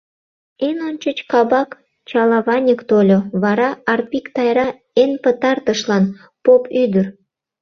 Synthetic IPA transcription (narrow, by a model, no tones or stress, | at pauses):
enont͡ɕət͡ɕkɑbɑk | t͡ɕɑlɑβɑnʲəkt̪olʲoβɑɾɑɑrpʲikt̪ɑjɾɑ | enpət̪ɑrt̪əʃlɑn | popʰyd̪ər